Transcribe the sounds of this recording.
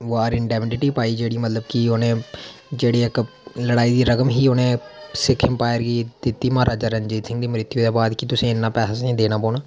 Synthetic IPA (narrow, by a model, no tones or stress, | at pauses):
ʋaːɾɪɳɖɛːmɖɪʈiːpaːiːd͡ʒeːɽiːmət̪ləbkionẽːd͡ʒeːɽeːək | ləɽaːiːd̪iːɾəɡəmɦiːoːnẽːsɪkʰɪ̃mpaːjəɾɡiːd̪ɪt̪ːiːmãːɾaːd͡ʒaːɾənd͡ʒiːt̪sɪ̃ŋɡd̪iːmɾɪt̪ːjoːd̪eːbaːd̪kɪt̪ʊsĩːɪnːãːpɛːsaːsẽd̪eːnaːpɔːnãː